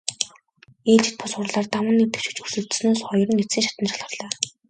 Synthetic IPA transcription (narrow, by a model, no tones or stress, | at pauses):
eːɮt͡ɕɪ̆t̪̚pʰʊsʊrɮaːrt̪amə̆nːet̪ɘ̆kʃŭ̥t͡ɕusɵ̆ɮt̪̆snoːsχɔjɞ̆rə̆ŋit͡siːŋʃat̪ə̆nʃaɮʁə̆rɮaː